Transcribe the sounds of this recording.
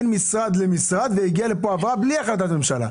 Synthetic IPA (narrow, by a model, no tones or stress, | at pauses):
nmisʁad̪lemisʁad̪veiɡiale̞poavʁabliaχlat̪at̪memʃala̰